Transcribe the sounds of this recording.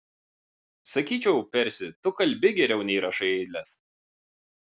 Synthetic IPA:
sɐkʲiːt͡ʃʲɛʊpʲɛɾʲsʲɪt̪ʊkɐlʲbʲɪɡʲɛɾʲɛʊnʲiːɾɐʃɐɪɛɪd̪ʲlʲɛs

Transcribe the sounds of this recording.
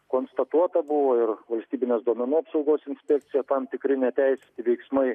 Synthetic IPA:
koːnst̪ɐt̪uɔt̪ɐbʊʋoːɪɾʋɐlʲsʲt̪ʲiːbʲɪnʲeːsd̪uɔmʲɛnuːɐpsɒʊɡoːsɪnʲsʲpʲɛk̚t̪sʲɪjɛt̪ɐmt̪ʲɪkɾʲɪnʲɛt̪ʲɛɪsʲɛ̥t̪ʲɪʋʲɛɪksmɐɪ

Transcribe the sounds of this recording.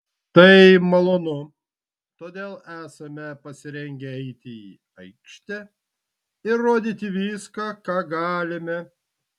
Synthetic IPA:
t̪ɐɪmɐlˠoːnʊ | t̪oːd̪ʲeːlˠæːsɐmʲɛpɐsʲɪɾʲɛŋʲɡʲɛɛɪt̪ʲɪi | ɐɪkʃʲt̪ʲɛ | ɪɾːoːd̪ʲit̪ʲɪʋʲiːskɐkɑːɡɑːlʲɪmʲɛ

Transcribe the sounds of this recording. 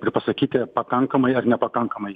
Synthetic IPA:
pɾʲpɐsɐkʲiːt̪ʲɛpɐkaŋkɐmɐjɐɾnʲɛpɐkaŋkɐmɐj

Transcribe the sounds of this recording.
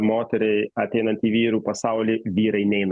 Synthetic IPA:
moːt̪ʲɛɾʲɛɪɐt̪ʲɛɪnɐnt̪ʲiːʋʲiːɾuːpɐsɐˑʊlʲiʋʲiːɾɐɪnʲɛɪn

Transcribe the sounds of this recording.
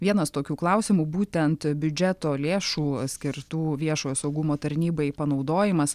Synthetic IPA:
ʋʲiɛnɐst̪oːkʲuːklˠɐʊsʲɪmuːbuːt̪ʲɛnt̪bʲʊd͡ʒʲɛt̪oːlʲeːʃuːsʲkʲɪɾt̪uːʋʲiɛʃoːjoːsɐʊɡʊmoːt̪ɐɾʲnʲiːbɐɪpɐnɒʊd̪oːjɪmɐs

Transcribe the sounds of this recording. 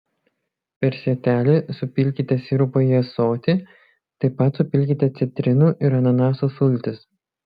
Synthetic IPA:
pʲɛɾsʲɛt̪ʲæːlʲɪsʊpʲɪlʲkʲit̪ʲɛsʲiɾʊpɐɛsoːt̪ʲɪ | t̪ɐɪpɐt̪sʊpʲɪlʲkʲit̪ʲɛt̪sʲɛt̪ʲɾʲɪnuːʔɪɾɐnɐnɑːsosʊlʲt̪ʲɪs

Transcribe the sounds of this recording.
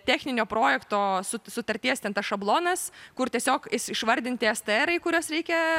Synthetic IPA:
t̪ʲæːxʲnʲɪnʲoːpɾoːjɛkt̪oːsʊsʊt̪ɐɾʲt̪ʲiɛst̪ʲɛnt̪ɐsʃɐblˠoːnɐskʊɾt̪ʲiɛsʲoːkɪʃɪʃʋɐɾʲd̪ʲɪnʲt̪ʲɪɛst̪əɛɾɐɪikʊɾʲoːsɾʲɛɪkʲɛ

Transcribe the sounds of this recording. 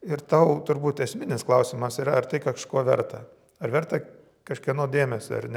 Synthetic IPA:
ɪɾt̪ɐʊt̪ʊɾbuːt̪ɛsʲmʲɪnʲɪsklˠɐʊsʲɪmɐsiːɾɐɐrt̪ɐɪkɐʃkoːʋʲɛ̰ɾt̪ɐ | ɐɾʋʲɛɾt̪ɐ | kɐʃkʲiɛnoːd̪ʲeːmʲɛsʲo̰ɐ̰rnʲɛ

